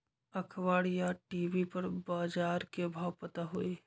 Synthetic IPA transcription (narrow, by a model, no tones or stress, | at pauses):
ɐkʰʋaːɽjaʈiːʋipɐɾbaːd͡ʒaːɾkebʱaːwpɐt̪aɦʊe